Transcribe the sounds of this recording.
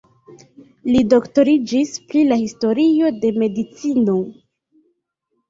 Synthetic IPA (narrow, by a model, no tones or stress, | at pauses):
lido̞kto̞ɾid͡ʒispɾilahisto̞ɾio̞de̞me̞dit͡sino̞